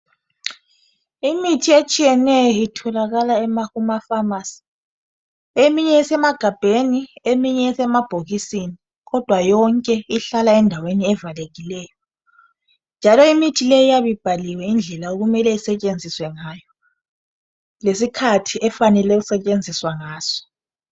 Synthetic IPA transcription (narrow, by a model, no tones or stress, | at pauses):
imitʰiet͡ʃʼijɛnɛjɔitʰɔlaɣalaɛmaɣumafamasi̥ | emiɲɛːsɛmaɡ̥ʱab̥ʱeniemiɲɛːsɛmab̥ʱoɣisini | ɣɔd̥ʱwajɔŋkʼɛiɬalaɛndʱaweniɛvaleɣilɛːjɔ | nd͡ʒʱalɔimitʰilejijaβib̥ʱaliwɛind͡ɮʱɛlaoɣumɛlɛisɛt͡ʃʼend͡zʱiswɛŋajɔ | lesikʰatʰiɛfanɛlɛɣusɛt͡ʃʼend͡zʱiswaŋaːz̥ɔ̥